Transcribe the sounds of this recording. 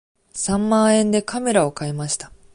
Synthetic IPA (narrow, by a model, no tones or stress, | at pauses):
sãmːãːẽ̞nd̪e̞kame̞ɾao̞kaemaɕi̥t̪ḁ